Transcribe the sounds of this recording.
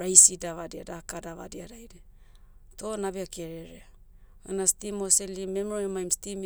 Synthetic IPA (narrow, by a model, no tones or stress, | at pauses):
ɾajsidaβadiadakadaβadiaɾajɾe | to̞nabeake̞ɾeɾea | a̰nastimoselime̞mɾoimajmstim